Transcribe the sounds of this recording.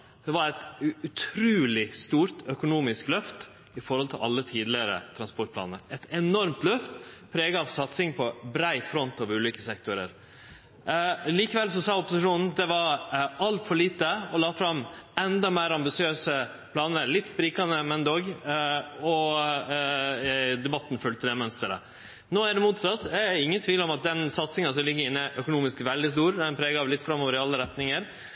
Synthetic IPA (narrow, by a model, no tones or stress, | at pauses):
d̪̥ɛʋɑɾɛt̪ʉt̪ʰɾʉːlɪst̪uːɾt̪œkʊnuːmɪsklœft̪ | ɪfɔɾhɔlt̪ʰɪlʔɑ̰lːət̪ʰiːd̪lɪɾə̰t̪ʰɾɑnspɔʈ̚pʰlɑ̰ːnə̰ɾɛt̪ɛnɔɾmt̪lœft̪pʰɾeːɡəɑʋsɑt̪sɪŋpʰɔbɾæɪfɾɔnt̪ɑʋʉːliːkəsɛkt̪ʊɾə̰ɾ | liːkəʋɛlsɔsɑːʊpɔsɪʂuːnn̩d̪ɛʋɑɾɑlt̪fɔɭiːt̪əɔlɑːfɾɑmːɛnd̪ɑmeːɾɑmbɪsɪøːsə | pʰlɑːnəɾlɪt̪ːspɾiːkɑnəmɛnd̪oːɡ | ɔ | d̪ɛbɑt̪ːn̩fʉlt̪əd̪ɛmœnst̪əɾə̰ | noːæɖɛmuːt̪sɑt̪ːɛɪŋːənt̪ʰʋiːlɔmɑt̪̚d̪ɛnsɑt̪sɪŋɑsɔmlɪɡːəɾɪnːəʔœkʊnuːmɪskʋɛld̪ɪs̬t̪uːɾd̪ɛɛnpʰɾɛːɡɑʋlɪt̪ːfɾɑmoːʋəɾɪɑlːəɾɛt̪nɪŋəɾ